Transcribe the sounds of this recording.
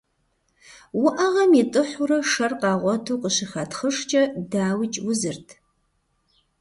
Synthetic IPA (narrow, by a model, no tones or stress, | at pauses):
wʊʔɐʁɐmitʼɨħʷʊrɐʂɐrqɑːʁʷɔtʰuːqəɕɪxɐtʰχəʂt͡ʃʼɐdaːwɪt͡ʃʼwʊzɨrtʰ